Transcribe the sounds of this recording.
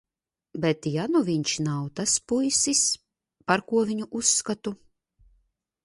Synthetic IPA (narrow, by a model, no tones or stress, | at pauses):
bɛt̪januvʲiɲt͡ʃnawt̪aspujsis | paɾkuɔviɲuʔusːkat̪u